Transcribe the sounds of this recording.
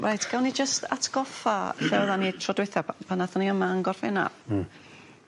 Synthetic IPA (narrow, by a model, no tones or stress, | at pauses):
rajtʰɡ̥awnid͡ʒəsta̰tʰɡ̥ɔfaɬɛwðanitʰrɔdwɪθapʰanaθɔniəmaaŋɡɔrfɛna̰